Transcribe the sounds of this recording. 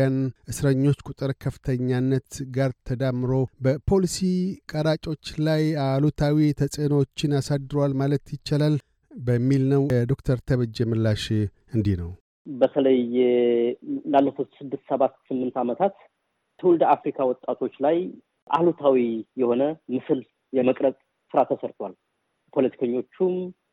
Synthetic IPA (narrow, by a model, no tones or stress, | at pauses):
janʔɨsɾəɲːo̞t͡ʃːkʼut̪ʼɨɾkʰəfɨ̥t̪ʰəɲːanːət̪ɡaɾt̪ʰəd̪amːɨɾo̞bəpʰo̞lisikʼəɾat͡ʃʼo̞t͡ʃːlajalut̪ʰawit̪ʰəsʼenwot͡ʃːɪnasad̪ɾwalmalət̪jɪt͡ʃːalal | bəmːilnəwd̪o̞kt̪ʰəɾt̪ʰəβɨd͡ʒɛmɨlːaʃ | ɨnd̪ihnəw | bət̪ʰələjː | lalːəfot̪sɨd̪ːɨst̪səβat̪sɨmːɨnt̪amət̪ʰat̪ | t̪ʰəwuld̪afɾikʰawɔt̪ʼːat̪ʰo̞t͡ʃːlaj | ʔa̰lut̪ʰawijɛho̞nəmɨsɨl | jɛməkʼɾəkʼ | sɨɾat̪ʰəsəɾt̪ʰwal | pʰo̞lət̪ʰi̥kʰəɲːo̞t͡ʃːum